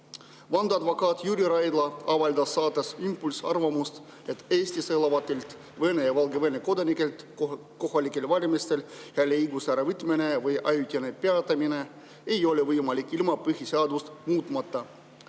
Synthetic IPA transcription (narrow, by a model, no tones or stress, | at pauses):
vɑnd̪ɑd̪vɑkɑt̪jyɾʲiɾɑjd̪lɑɑvɑlʲd̪ɑsːɑːt̪ːˑesimpːulʲsɑrvɑmust̪ | e̞t̪eːsʲt̪iselɑvɑt̪ːelt̪ | vɤnejɑvɑlɡeveneko̞d̪ɑnikːˑelt̪ | ko̞hɑlʲikːˑe̞lvɑlʲimist̪e̞lheɑlʲejɡusæɾevɨt̪ːˑmene̞vɯjʔɑjut̪ʲɑnepeɑt̪ːˑɑmine̞ | ejo̞le̞vɯjmɑlʲikːˑilmɑpɯɦʲiseɑd̪ust̪muːt̪ˑmɑt̪ːɑ